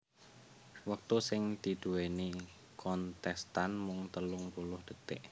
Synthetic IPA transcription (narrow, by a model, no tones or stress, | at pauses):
wək̚t̪usɪŋd̪̥i̤d̪̥ṳweni | kɔnt̪ɛst̪anmʊŋt̪əlʊŋpulʊhd̪̥ə̤t̪ɪʔ